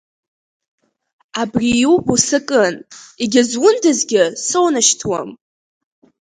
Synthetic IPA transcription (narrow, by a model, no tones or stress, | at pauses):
abrijubusɨkʼɨniɡʲɪzwʊndɨzɡʲɪsownaʃtʰwa̰m